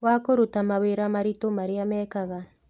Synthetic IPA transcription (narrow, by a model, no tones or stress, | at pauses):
wakoɾutamaweɾamaɾitomaɾeamɛːkaɣa